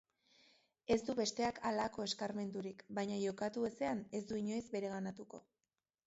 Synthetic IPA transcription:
e̞zd̪uβe̞st̪e̞akʰalako̞e̞skaɾme̞nd̪uɾikbajɲaʝo̞kat̪ue̞se̞ane̞zd̪uiɲo̞jzbe̞ɾe̞ɣ̞anat̪uko̞

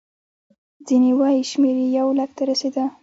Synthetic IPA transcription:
zinewajʃmeɾejawlakt̪aɾased̪a

